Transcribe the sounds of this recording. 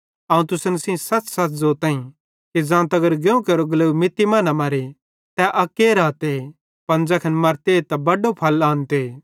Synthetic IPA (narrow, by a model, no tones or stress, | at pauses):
aːũt̪ʊsənsĩsɐt͡ssɐtzoːɾt̪ãːĩ | kid͡zãːt̪ɐɡəɾɡeũkɐɾoɡɐləwmɪt̪ːimãːnãmɐɾe | t̪ɛʔɐkːeːɾaːt̪e | pɐ̃nd͡ʒɐkʰɐnmɐɾt̪eːt̪ɐbɐɖopʰɐlãːnt̪e